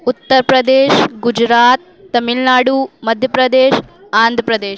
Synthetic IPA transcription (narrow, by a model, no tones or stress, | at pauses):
ut̪ːɐɾpɾɐd̪eːʃɡud͡ʒɾaːt̪ːɐmilnaːɽumɐd̪ʱjɐpɾɐd̪eːʃaːnd̪ʱəpɾɐd̪eːʃ